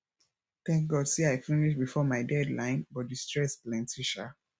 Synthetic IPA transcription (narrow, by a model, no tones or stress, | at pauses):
θɛ̃ŋk̚ɡɔdsiaɪfĩniʃbifɔmaɪdɛdlãɪ̃nbɔtdistɹɛsplɛ̃ntʰiʃa